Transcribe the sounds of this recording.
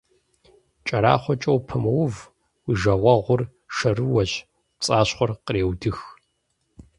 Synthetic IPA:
t͡ʃʼɐɾa̰ːχʷɔt͡ʃʼɐwpʰɐmɐwv | wiʒɐʁʷɐʁʷʊr | ʂɐrɨwɐʑ | t͡sʼaːɕχʷɔrqɾeːwdɨx

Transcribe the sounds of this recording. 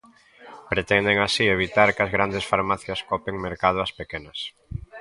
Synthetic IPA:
pɾet̪ɛnd̪eŋasieβ̞it̪aɾkɐzɣɾand̪esfaɾmaθjɐskɔpeŋmeɾkað̞ʊɐspekenɐs

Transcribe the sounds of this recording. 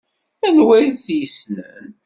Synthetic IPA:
ænwæjθjəsnən

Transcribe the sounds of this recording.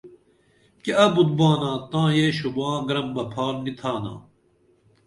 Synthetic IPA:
kiɐbud̪̚baːnãːt̪ãːɦeːɕubãːɡɾɐmbɐpʰaːɾnit̪ʰaːnã̰ː

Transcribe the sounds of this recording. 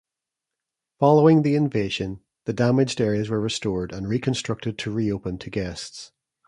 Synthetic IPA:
fɔlˠoɪ̃ŋðiɪ̃ɱveʒə̃n | ðədamɪd͡ʒdɛɹiəzwə˞ɹɪstɔɹdə̃nɹikʰə̃nstɹ̥ʌk̚tɪd̚tʰəɹiopə̃ntʰəɡɛsts

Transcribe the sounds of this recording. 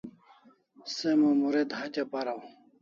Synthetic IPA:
semomuɾed̪hɐt͡ɕapɐɾaw

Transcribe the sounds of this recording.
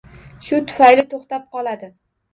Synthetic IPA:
ʃʊt̪ʰʊ̥fajlɪt̪ʰoχt̪ap̚qɒlˠad̪ɪ

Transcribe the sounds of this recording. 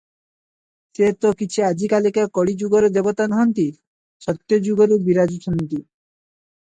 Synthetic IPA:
set̪okit͡ɕʰiad͡ʑikalekakɔɽid͡ʑuɡoɾd̪ebot̪anɔɦont̪i | ʃɔt̪ːjod͡ʑuɡoɾbiɾad͡ʑut͡ʃʰont̪i

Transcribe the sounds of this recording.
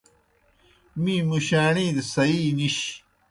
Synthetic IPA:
mĩːmuɕaːɳĩːd̪sɐiːniɕ

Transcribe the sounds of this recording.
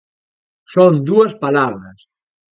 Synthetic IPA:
sond̪uɐspalaβɾɐs

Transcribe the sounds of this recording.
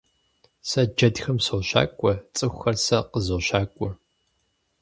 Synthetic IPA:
sɐd͡ʒɐdxɐmsowɕa̰ːkʷʼɔt͡sʼɨxʷxɐrsɐqəzoɕaːkʷʼɔ

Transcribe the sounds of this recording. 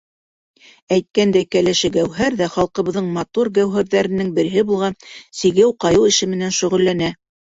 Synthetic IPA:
æjt̪̚kænd̪æjkælæʃɘɡæwɦæɾðæχɑlˠqɤ̆βɤ̆ðɤɴmɑt̪uɾɡæwɦæɾðæɾɘ̆nːɘŋbɘ̆ɾɘ̆ɦɘbulˠʁɑnsiɡɘwqɑjɤlˠɘ̆ʃɘmɘ̆nænʃɵ̆ʁɵ̆lːænæ

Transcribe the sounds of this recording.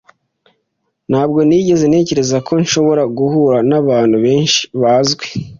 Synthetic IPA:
n̥haːbɡo̞niːɟe̞zene̞ːce̞ɾe̞zako̞nʃo̞βo̞ɾaɡuhuːɾanaβaːnhuβe̞ːnʃi̥βaːzɡwe̥

